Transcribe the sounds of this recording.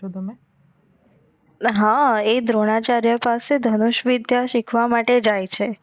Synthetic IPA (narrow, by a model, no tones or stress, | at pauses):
ot̪əme | ɦãed̪ɾoɽ̃at͡ʃaɾjəpased̪ʱənuʃʋid̪ʱjaʃikʰʋamaʈed͡ʒajt͡ʃʰe